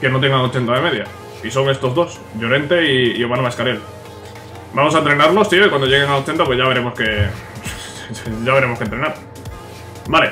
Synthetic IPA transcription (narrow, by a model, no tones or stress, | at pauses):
ke̞no̞t̪̬e̞ŋɡaŋo̞t͡ʃe̞nt̪aðe̞me̞ðja | iso̞ŋe̞st̪o̞zðo̞s | ʝo̞ɾe̞nt̪e̞iːo̞manomaskaɾe̞l | bamosaent̪ɾenaɾlo̞st̪ioikwand̪o̞ʝe̞ɣ̞e̞ŋalo̞t͡ʃe̞nt̪apweʝaβ̞e̞ɾe̞mo̞ske̞ | ʝaβɾe̞mokent̪ɾe̞naɾ | bale̞